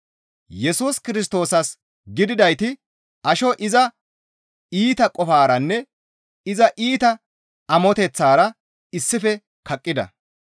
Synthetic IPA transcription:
jɛsuːskɪɾɪs̬t̪o̞ːsɐs | ɡɪd̪ɪd̪ɐjt̪ɪ | ʔɐʃɔʔɪzɐ | iːt̪ɐkʼɔfaːɾɐnːɛ | ɪzɐʔiːt̪ɐ | ɐmɔt̪ɛt͡sːaːɾɐ | ɪsːɪfɛ | kɐkʼːɪd̪ɐ̰

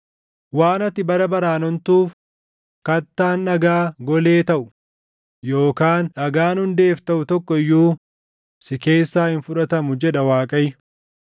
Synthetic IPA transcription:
waːnɐt̪ːɪbɐɾɐbɐɾaːnɔnt̪uːf | kɐt̪ːaːnːɐɡaːɡɔle̞ːt̪ɐʔʊ̥ | jo̞ːkaːnɐɡaːnhʊnd̪e̞ːft̪ɐʔʊt̪ɔkːɔɪjːuː | sɪke̞ːsːaːhɪnfʊᶑɐt̪ɐmʊd͡ʒɛᶑɐwaːkʼɐj

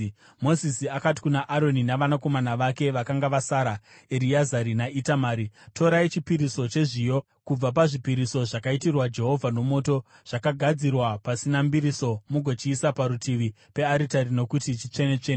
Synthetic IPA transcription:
mo̞zisiakati̥kunaʔaɾo̞ninaʋanako̞manaʋake̞ʋakaŋɡaʋasaɾa | eɾiazaɾinaitamaːɾito̞ɾait͡ʃipiɾiso̞t͡ʃe̞ʐijo̞ | kub͡vap̬aʐipiɾiso̞ʐakaitirwad͡ʒe̞ɦo̞vʱano̞mo̞ːto̞ | ʐ̥akaɡʱad͡zirwapasinambiɾiso̞muɡʱo̞t͡ʃiːsapaɾutʰiʋi | pe̞aɾitarino̞kutit͡ʃit͡ʂe̞ne̞t͡ʂene

